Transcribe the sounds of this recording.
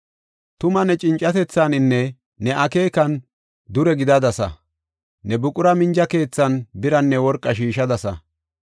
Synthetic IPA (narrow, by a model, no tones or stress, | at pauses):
t̪ʊmɐnɛt͡ʃʼɪnt͡ʃʼːɐt̪ɛt͡sːanɪnːɛ | nɛʔɐke̞ːkɐn | d̪ʊɾɛɡɪd̪ɐd̪ɐsɐ̰ | nɛbʊkʼʊɾɐmɪnd͡ʒɐke̞ːt͡sːɐnbɪɾɐnːɛwɔɾkʼːɐʃiːʃɐd̪ɐsɐ̰